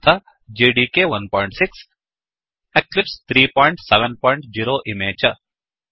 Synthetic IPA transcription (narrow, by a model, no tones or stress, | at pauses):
t̪ʰɐ | d͡ʒeːɖiːkeʋɐnpɔːɪ̃ɳʈsɪks | eklɪpst̪ʰɾiːpɔːɪ̃ɳʈsɛʋə̃npɔːɪ̃ɳʈ̚d͡ʒiːɾoːʔɪmeːt͡ʃɐ